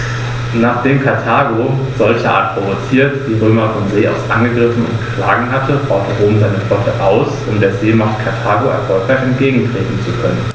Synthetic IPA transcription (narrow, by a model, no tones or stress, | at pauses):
naːχd̥eːmkʰaɐtʰaːɡoz̥ɔlçəʔa̰ːɐt̚pʁ̥ovot͡siːɐtd̥iːʁøːmɐfɔmzeːa̰ʊsʔa̰nɡəɡʁɪfn̩ʊ̰ntkʰl̥aːɡŋ̩ɦatʰəbaʊtʰəʁoːmzaɪnəflɔtʰəʔaʊsʔʊmdeːɐzeːmaχt̚kʰaɐtʰaːɡoɛ̰ɐfɔlkʁaɪçɛntɡ̥eːɡŋ̩tʁ̥eːtn̩t͡sukʰœnən